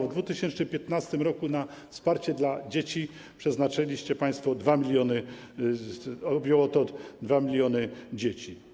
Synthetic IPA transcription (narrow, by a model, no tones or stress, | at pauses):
vd̪vut̪ɘɕɛnt͡ʂnɘmpʲjɛt̪nast̪ɘmɾɔkuna | fspaɾt͡ɕɛd̪lad͡ʑet͡ɕi | pʂɛznat͡ʂɛlʲiɕt͡ɕɛpãj̃st̪fɔd̪vamʲilʲjɔnɘ | ɔbʲjɔwɔt̪ɔd̪vamʲilʲjɔnɘd͡ʑet͡ɕi